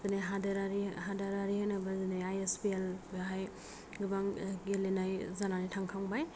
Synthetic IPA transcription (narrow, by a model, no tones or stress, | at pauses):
pɯneɦadaɾaɾiɦadaɾaɾihɯnabazinajajespielɦaj | ɡɯbaŋɡelenajzananajtʰaŋkʰaŋbaj